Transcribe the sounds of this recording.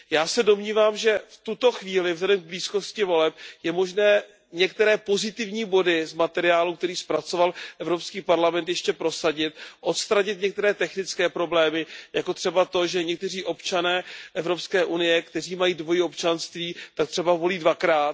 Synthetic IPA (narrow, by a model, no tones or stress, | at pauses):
jaːsɛdo̞mɲiːvaːmʒɛft̪ut̪o̞xviːlɪvzlɛdɛmɡ̚bliːsko̞scɪvo̞lɛp̚jɛmo̞ʒnɛː | ɲɛkt̪ɛɾɛːpo̞zɪt̪ɪvɲiːbo̞dɪzmat̪ɛɾɪjaːlukt̪ɛɾiːspɾat͡so̞valʔɛvɾo̞pskiːpaɾlamɛnt̪jɛʃcɛpɾo̞saɟɪt̪̚ʔo̞t̪st̪ɾaɲɪt̪̚ɲɛkt̪ɛɾɛːt̪ɛxnɪt͡skɛːpɾo̞blɛːmɪjako̞t̪r̥ɛbat̪o̞ʒɛɲɛk̚t̪ɛr̝iːʔo̞pt͡ʃanɛːʔɛvɾo̞pskɛːʔunɪjɛkt̪ɛr̝iːmajiːdvo̞jɪopt͡ʃanst̪viːt̪ak̚t̪r̝̥ɛbavo̞liːdvakɾaːt̪̚